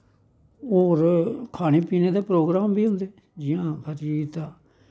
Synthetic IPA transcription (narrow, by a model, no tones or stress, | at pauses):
ɦoːɾkʰaːñeːpiːneːd̪eːpɾoːɡɾaːmbʱiːɦʊ̃nd̪eː | d͡ʒɪjãːkʰəɾiːt̪aː